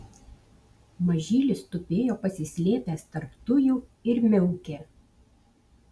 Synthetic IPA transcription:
mɐʒʲiːlʲɪst̪ʊpʲeːjoːpɐsʲɪsʲlʲeːpʲæːst̪ɐɾpt̪ʊjʊɪɾmʲɛʊkʲeː

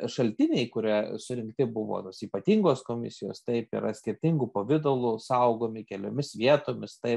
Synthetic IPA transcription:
ʃɐlʲt̪ʲɪnʲɛɪkʊɾʲiɛsʊɾʲɪŋkt̪ʲɪbʊʋo̰ːt̪oːsiːpɐt̪ʲiːŋɡoːskoːmʲɪ̰sʲɪjo̰ːst̪ɐɪpḭɾɐsʲkʲɪɾʲt̪ʲɪŋɡupoːʋʲɪd̪oːlˠusɐʊɡoːmʲɪkʲɛlʲo̰ːmʲɪsʋʲiɛt̪oːmʲɪst̪ɐɪp

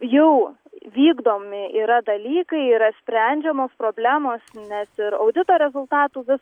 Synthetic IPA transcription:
jɛʊ | ʋʲiːɡd̪oːmʲɪʔiːɾɐd̪ɐlʲiːkɐɪiːɾɐsʲpʲɾʲænʲd͡ʒʲɛmoːspɾoːbʲlʲæːmoːsnʲɛsɪɾɐ̰ʊd̪ʲɪt̪oːɾʲɛzʊlˠt̪ɑːt̪uːʋʲɪs

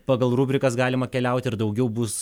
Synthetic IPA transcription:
pɑːɡɐlˠɾuːbʲɾʲɪkɐsɡɑːlʲɪmɐkʲɛlʲɛˑʊt̪ʲɪɾd̪ɐʊɡʲɛʊbʊs

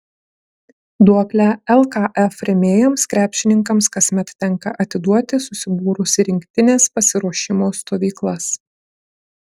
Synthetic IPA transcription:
d̪uɔklʲæɛlˠkɑʔɛfɾʲemʲeːjoːmskɾʲæːpʲʃʲɪnʲɪŋkɐmskɐsʲmʲɛt̪t̪ʲɛŋˑkɐʔɐt̪ʲɪd̪uɔt̪ʲɪsʊsʲɪbuːɾʊsʲɪɾʲɪŋʲkʲt̪ʲɪnʲeːspɐsʲɪɾuɔʃʲɪmoːst̪oːʋʲiːklˠɐs

